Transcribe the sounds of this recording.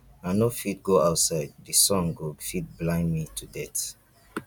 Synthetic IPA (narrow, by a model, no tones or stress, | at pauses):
aɪnofit̚ɡoaʊtsaɪd̚ːisɔ̃ŋɡoɡfit̚blãɪ̃nmitʰudɛt